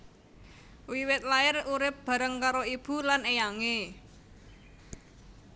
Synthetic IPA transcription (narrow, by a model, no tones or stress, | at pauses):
wiwɪt̪̚laɪruɾɪp̚b̥a̤ɾəŋkaɾoib̥ṳlanejaŋe